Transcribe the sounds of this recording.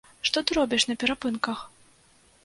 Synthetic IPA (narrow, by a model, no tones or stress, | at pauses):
ʂt̪ɔt̪ɨɾɔbʲiʂnɐpʲɛɾapɨnkɐx